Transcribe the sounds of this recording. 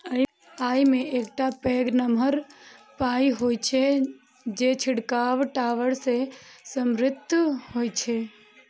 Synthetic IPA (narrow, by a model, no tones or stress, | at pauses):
aːimẽeːkʈapeːɡnəməɾpaːiɦoːt͡ʃʰe | d͡ʒet͡ʃʰɪɽkaːʋʈaːʋəɽsesəmɾɪt̪ːhoːjt͡ʃʰe